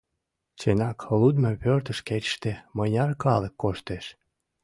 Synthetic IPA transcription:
t͡ɕenɑklud̪mʲepørt̪ə̆ʃket͡ɕʃt̪emɤnʲɑrkɑlekːoʃt̪eʃ

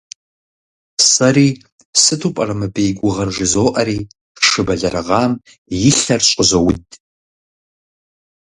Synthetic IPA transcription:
saɾiː | sɨtʰupʼaramɨbejɡʷʊʁɐrʐɨzoːʔɐɾiː | ʂɨbɐɮɐɾaʁɑːm | jɪɬɐrɕʷʼʊzawitʼ

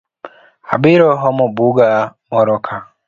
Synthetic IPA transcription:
a̰biɾɔɦɔmubuɡamɔɾɔkʰa

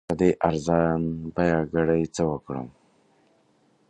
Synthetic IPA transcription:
ad̪eʔaɾzɑnbajɑɡaɽajt͡səwəkɽə̰m

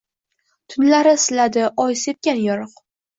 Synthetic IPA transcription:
t̪ʰʊnlaɾɪsɪlad̪ɪʔɒjse̞p̚kʲanjɒɾɨq

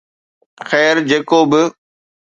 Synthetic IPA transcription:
xɛːɾd͡ʑeːkoːbɪ

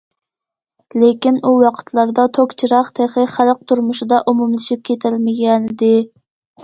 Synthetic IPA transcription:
lekʲinuwɑqʰə̥t̪ʰlˠɑɾd̪ɑt̪ʰokʲt͡ʃʰiɾɑχt̪ʰeχɪχælq̚t̪ʰuɾmʊʃid̪ɑʔumumlˠɨʃip̚kʲʰet̪ʰɪlmɪɡʲɛnɪd̪ɪ

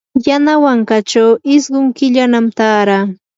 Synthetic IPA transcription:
janawaŋkat͡ʃawɪsɢʊŋkɪʎanamt̪aːɾaː

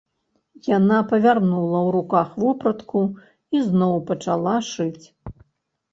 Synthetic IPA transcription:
janapɐvʲarnulˠɐwɾukaxvɔpɾɐt̪ku | iznɔwpɐt͡ʂalˠaʂɨt͡sʲ

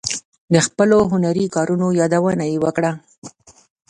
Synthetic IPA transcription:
d̪əxpəloɦʊnaɾikɑɾunojɑd̪awənajewəkɽa

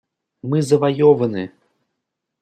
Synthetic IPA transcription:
mɨzɐvajɔvɐnɨ

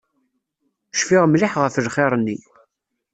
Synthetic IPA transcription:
ʃfɪʁmlɪħʁəfəlχeɾˤənːi

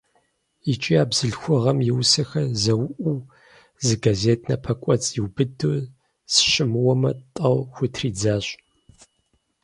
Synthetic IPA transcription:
it͡ʃʼiaːbzɨɮxʷʊʁɐmjɪwsɐxɐzɐwʔuː | zɨɡaːzeːtʰnɐpʰɐkʷʼɔt͡sʼjiwbɨduː | sɕɪmɨwɔmɐtʼɐwxʷʊtʰriːd͡zaːɕʼ

